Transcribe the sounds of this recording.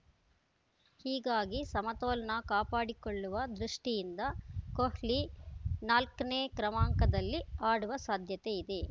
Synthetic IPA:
hiːɡaːɡisɐmɐt̪oːlɐnɐkaːpaːɽikoɭːuʋɐd̪ɾuʂʈijind̪ɐkohlinaːlkɐneːkɾɐmaːŋkɐd̪ɐlːiaːɽuʋɐsaːd̪ʱjɐt̪eid̪e̞

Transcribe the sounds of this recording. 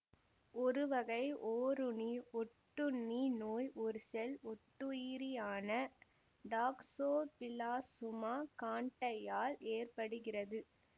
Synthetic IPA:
ʔɔɾɯʋɐɣɐɪʔoːɾʊniɔʈːɯnːinoːjʔɔɾɯsɛlɔʈːɯiːɾijaːnɐ | ɖaːksoːpɪlaːsʊmaːkaːɳʈɐjaːleːrpɐɽɯɣɪrɐðɯ

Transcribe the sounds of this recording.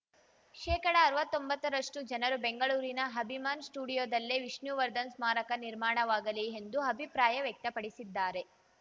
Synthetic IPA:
ʃɛːkɐɽɐːɾʋɐt̪ːo̞mbɐt̪ːɐɾɐʂʈud͡ʒɐnɐɾubeŋɡɐɭuːɾinɐɦɐbʱimaːnsʈuːɽijoːd̪ɐlːeʋiʂnjuʋɐɾd̪ɐnsmaːɾɐkɐniɾmaːɳɐʋaːɡɐliend̪uɐbʱipɾaːjɐʋjek̚t̪ɐpɐɽisid̪ːaːɾe̞

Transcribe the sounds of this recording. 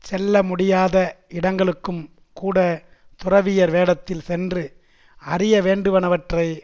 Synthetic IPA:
sɛlːɐmʊɽɪjaːðɐɪɽɐŋɡɐɭɯkːɯm | kuːɽɐ | t̪ʊrɐʋɪjɐɾʋeːɽɐt̪ːɪlsɛndrɯ | ɐrɪjɐʋeːɳɖɯʋɐnɐʋɐʈrɐɪ

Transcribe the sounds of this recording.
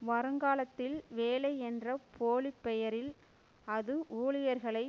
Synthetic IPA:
ʋɐɾɯŋɡaːlɐt̪ːɪlʋeːlɐɪɛndrɐpʰoːlɪpːɛjɐɾɪl | ɐðɯʔuːɭɪjɐɾɣɐɭɐɪ

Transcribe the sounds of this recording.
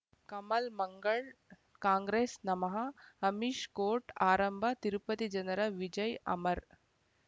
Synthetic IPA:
kɐmɐlmɐŋɡɐɭ | kaːŋɡɾeːsnɐmɐɦɐɐmiʃkoːʈaːɾɐmbʱɐt̪iɾupɐt̪id͡ʒɐnɐɾɐʋid͡ʒɐjɐ̰mɐɾ

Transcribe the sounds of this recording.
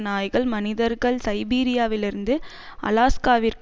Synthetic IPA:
naːjɣɐɭmɐnɪðɐɾɣɐɭsɐɪbiːɾɪjaːʋɪlɪɾɯnd̪ɯ | ɐ̰laːskaːʋiɾk

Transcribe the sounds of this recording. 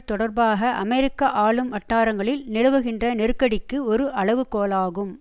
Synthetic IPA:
t̪ɔɽɐɾbaːɣɐʔɐ̰mɛɾɪkːɐʔaːɭɯmʋɐʈːaːɾɐŋɡɐɭɪlnɪlɯʋɐɣɪndrɐnɪɾɯkːɐɽɪkːɯɔɾɯʔɐɭɐʋɯkoːlaːɣɯm

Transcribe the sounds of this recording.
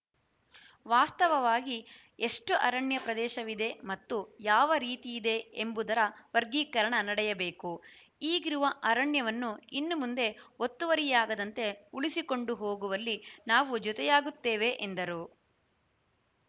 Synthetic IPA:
ʋaːst̪ɐʋɐʋaːɡi | e̞ʂʈuʔɐɾɐɳjɐpɾɐd̪ɛːʃɐʋid̪e̞mɐt̪ːujaːʋɐɾiːt̪ijːd̪e̞embud̪ɐɾɐʋɐɾɡiːkɐɾɐɳɐnɐɽɛjɐbeːku | iːɡiɾuʋɐʔɐɾɐɳjɐʋɐnːuinːumund̪e̞ot̪ːuʋɐɾijaːɡɐd̪ɐnt̪e̞uɭisiko̞ɳɖuɦoːɡuʋɐlːinaːʋud͡ʒɔt̪ɛjaːɡut̪ːeːʋe̞ʔend̪ɐɾu

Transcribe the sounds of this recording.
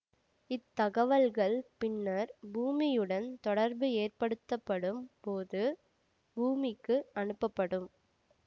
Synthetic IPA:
ɪt̪ːɐɣɐʋɐlɣɐɭpɪnːɐɾbuːmɪjɯɽɐnt̪ɔɽɐɾbɯeːrpɐɽɯt̪ːɐpːɐɽɯmpoːðɯ | buːmɪkːɯɐnɯpːɐpːɐɽɯm

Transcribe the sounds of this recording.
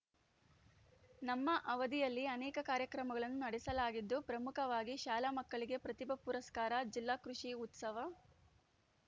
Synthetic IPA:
nɐmːɐʔɐʋɐd̪ijɐlːiɐnɛːkɐkaːɾjɐkɾɐmɐɡɐɭɐnːunɐɽɛsɐlaːɡid̪ːupɾɐmukʰɐʋaːɡiʃaːlamɐkːɐɭiɡe̞pɾɐt̪ibɐpuɾɐskaːɾɐd͡ʒilːaːkɾuʂiut̪sɐʋɐ

